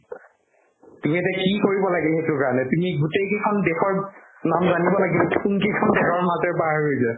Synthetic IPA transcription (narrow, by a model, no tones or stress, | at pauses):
tumiatɛkikoɹibɔlaɡɛlɦetʊkaɹɔnɛtumiɡutejkekʰɔndɛxɔɹ | namzanibɔlaɡilkunkekʰɔndɛxɔɹmazɛɹpaɦaɹɦojzɛ